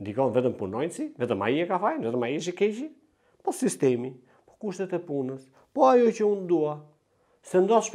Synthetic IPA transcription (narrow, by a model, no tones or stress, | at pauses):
nd̪ikɔnvɛt̪əmpunɔjnsivɛt̪əma̰jiɛkafajnvɛt̪əmajiʃ̬ikɛt͡ʃi | pɔsist̪ɛmi | pɔ̥kuʃt̪ɛt̪ɛpunəs | pɔajɔcəund̪ua | sɛnd̪ɔʃ